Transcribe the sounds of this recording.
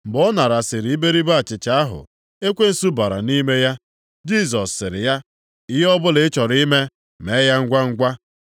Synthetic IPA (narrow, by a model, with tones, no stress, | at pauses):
m̩˨bɔ˦na˨ɾa˨sɪ˨ɾi˨˦i˦be˦ɾi˦ba˦˨t͡ʃɪ˨t͡ʃa˨a˦ɦʊ̰˨ | e˦kʷe˦n̩˨˦su˦ba˨ɾa̰˨ni˦me˦ja˦ | d͡ʒi˦s̬ɔ˨sːɪ˨ɾɪ̰˨ja˦ | ɪ˦ɦe˦ɔ˦bʊ˦lɪ˦t͡ʃɔ˨ɾi˦me˦ | me˨˦ja˦ŋ̩˦ɡʷa˦ŋ̩˦ɡʷa˦